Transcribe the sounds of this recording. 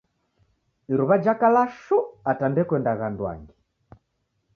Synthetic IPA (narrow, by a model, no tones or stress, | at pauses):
iɾuβad͡ʒakalaʃuatandɛkwɛndaɣandwa̰ŋɡi